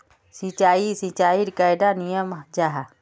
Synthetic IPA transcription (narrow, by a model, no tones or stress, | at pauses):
sit͡ʃaːisit͡ʃaːiɾikaːjd̪anijəmd͡ʒaɦa